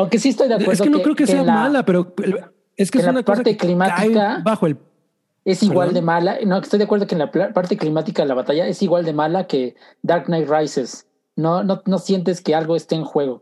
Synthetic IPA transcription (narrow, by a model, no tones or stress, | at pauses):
awŋke̞sies̬t̪o̞jðeaweeɾðoenokɾeokeseelmalapeɾo | eskeenllanpaɾt̪eklimaikabaxoel | e̞siɣwald̪emalanokest̪ojðakweðokenlaplapaɾt̪e̞klimat̪ikaðelaβat̪aʝae̞siɣwald̪e̞malake̞ | d̪aɾknajt̪rajses | nonono̞sje̞nt̪̬e̞ske̞alɣo̞est̪eeŋxwe̞ɣo̞